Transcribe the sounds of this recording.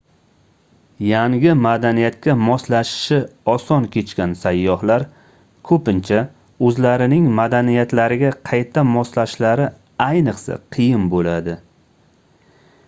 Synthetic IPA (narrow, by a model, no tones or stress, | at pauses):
jaŋɡʲɪmad̪anijat̪̚kʲamɒslaʃɪ̥ʃɪɒsɒnkʲʰe̞t͡ʃkʲansajːɒhlaɾ | kʰɵpɪnt͡ʃʰa | ɵzlaɾɪnɪŋmad̪anijat̪laɾɪɡʲaqʰɑjt̪ʰamɒslaʃlaɾɪ | ajnɨqsa̰qʰɨjɪmbolad̪ɪ